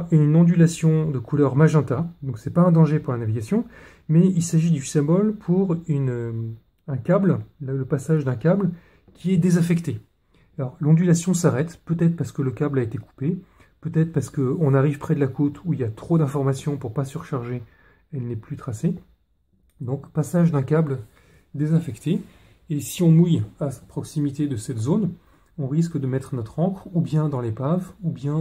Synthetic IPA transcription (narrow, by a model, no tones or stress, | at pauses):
ynɑ̃d̪ylasjɔ̃d̪əkulœʁmaʒɛ̃t̪ad̪ɔ̃ksɛpaɛ̃d̪ɑ̃ʒepuʁlanaviɡʲasjɔ̃ | mɛilsaʒid̪ysɛ̃bɔlpʰuʁynø | ɛ̃kʲabllələpasaʒd̪ɛ̃kʲabl | kʲʰiɛd̪ezafɛkt̪e | alɔʁlɑ̃d̪ylasjɔ̃saʁɛt̪pøt̪ɛt̪χpaʁsə̥kələkʲablaet̪eku̥pe | pøt̪ɛt̪χpaʁsə̥kəɔ̃naʁivpχɛd̪əlakot̪ʰuiljat̪χod̪ɛ̃fɔʁmasjɔ̃puʁpasyʁʃaʁʒe | ɛlnɛplyt̪χase | d̪ɔ̃kpasaʒd̪ɛ̃kabl | d̪ezɛ̃fɛkt̪eː | siɔ̃mujasɛ̥pχɔksimit̪ed̪əsɛt̪zon | ɔ̃ʁis̬kd̪əmɛt̪χənɔt̪χɑ̃kχubjɛ̃d̪ɑ̃lepavubjɛ̃